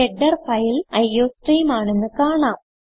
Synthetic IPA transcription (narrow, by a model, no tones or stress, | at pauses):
eɖːɐrfɐjlɐjoːsʈiːmaːɳe̞nːɨkaːɳaːm